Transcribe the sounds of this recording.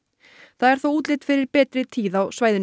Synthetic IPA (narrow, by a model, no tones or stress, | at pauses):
θaðɛɾ̥θowuːt̪lɪt̪fɪɾɪɾpɛːt̪ɾɪt̪ʰiːðawsvaːjðɪn